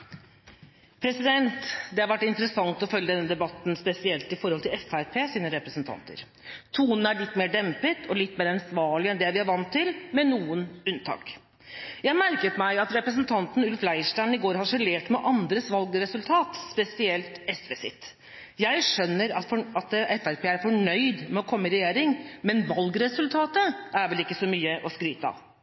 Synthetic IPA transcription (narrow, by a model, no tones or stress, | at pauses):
pʰɾɛsɪd̪ɛnt̪d̪ɛhɑɾʋæʈːɪnt̪əɾəsɑŋt̪ɔfœljəd̪ɛnːəd̪ɛbɑt̪n̩spɛsɪɛlt̪ɪfɔɾhɔlt̪ʰɪlɛfæɾpʰeːsiːnəɾɛpɾəsnt̪ʰɑ̰nt̪ə̰ɾ | t̪ʰuːnn̩æɭɪt̪ːmeːɖɛmpət̪ʰɔlɪt̪ːmeːɾɑnsʋɑːɭɪɛnd̪ɛʋɪhɑɾʋɑnt̪ʰːɪlmɛnuːənʉnt̪ʰɑ̰ːk | jæɪmæɾkət̪mæɪɑt̪ɾɛpɾəs̬nt̪ʰɑnt̪n̩ʉlflæɪʂʈæɪnɪɡoːɾhɑʂɛleːʈmɛʔɑnd̪ɾəsʋɑlɡɾɛsʉlt̪ʰɑːt̪spɛsɪɛlt̪ɛsʋɛsɪ̰t̪ː | jæɪʂœnːəɾɑfɑt̪ɛfæɾpʰeːæɾfɔɳœʏd̪mɛɔkʰɔmːəɾɛjeːɾɪŋmɛnʋɑlɡɾɛsʉlt̪ʰɑːt̪əʔæɾʋɛlɪkːəsɔmyːəʔɔskɾiːt̪ɑ̰